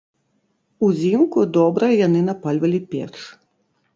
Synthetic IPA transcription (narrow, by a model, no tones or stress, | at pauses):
uzʲimkʊd̪ɔbɾɐjanɨnapalʲvɐlʲipʲɛ̰ʂ